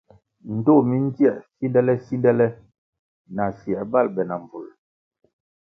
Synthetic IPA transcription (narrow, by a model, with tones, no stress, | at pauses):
n̩˨to˦˨mi˦ŋ̩˦ti˦ɛ˦˨si˦dɛ˦lɛ˦si˦dɛ˦lɛ˦ | na˨sjɛ˨ba˦lbɛ˨na˨m˨vu˨l